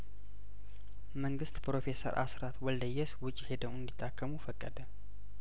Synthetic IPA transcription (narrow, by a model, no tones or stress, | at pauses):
məŋɡɨst̪pɾo̞fe̞sə̰ɾʔa̰sɾat̪wɔld̪əjːɛswʊt͡ʃʼːhe̞d̪əwɨnd̪it̪ʰːakʰːəmufəkʼːəd̪ə